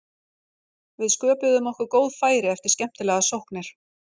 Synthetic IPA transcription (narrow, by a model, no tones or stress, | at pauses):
vɪðskœːpɪðʏmɔhkʏɾkoːwðfaːjɾɪɛft̪ɪɾ̥scɛm̥t̪ɪlɛɣasowhknɪɾ̥